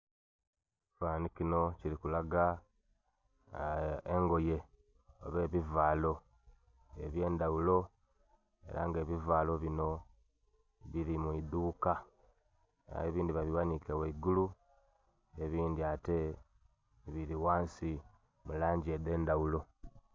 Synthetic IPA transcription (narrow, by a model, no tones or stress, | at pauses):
faːnicino̞ciɾikulaɡa | eŋɡo̞je̞ | oβe̞ːβivaːlo̞ | ḛβje̞ːndaulo̞ | e̞̰ɾa̰ŋɡe̞ːβivaːlo̞βino̞ | βiɾimuiduːka | a̰eβiːndiβaβiwanikeweiɡulu | eβiːndiate̞ | βiɾiwaːnsi | mulaːɲɟieðe̞ːndawulo̞